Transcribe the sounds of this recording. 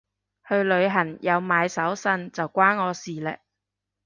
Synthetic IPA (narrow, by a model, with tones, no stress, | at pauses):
hɵ˧ɥlɵ˨˧ɥɦɐ˨˩ŋjʔɐ˨˧wmaː˨˧jsɐ˨˥wsɐ˧nt͡sɐ˨wkʷaː˥nːɔː˨˧siː˨lɛ̰˨˩k̚